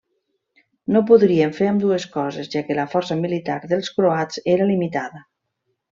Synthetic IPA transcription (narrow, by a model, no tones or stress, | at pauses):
nop̬uðɾieɱfeɾəmd̪ueskɔzezʒakeləfɔɾsəmilit̪aɾðəlˠskɾoat͡seɾalimit̪aðə